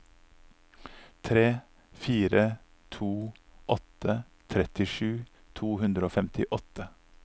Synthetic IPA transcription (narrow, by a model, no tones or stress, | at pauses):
t̪ʰɾeː | fiːɾə | t̪ʰuːʔɔt̪ə | t̪ʰɾɛt̪ɪʃʉː | t̪ʰuːhʉnd̪ɾəoːfɛmt̪ɪʔɔt̪ə